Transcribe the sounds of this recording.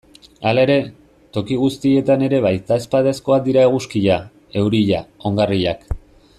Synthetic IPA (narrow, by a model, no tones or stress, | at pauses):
alae̞ɾe̞ | t̪o̞kiɣ̞ust̪ie̞t̪ane̞ɾe̞βajt̪aspaðesko̞akd̪iɾaeɣ̞uskiʎa | e̞wɾiʎao̞ŋɡariʎak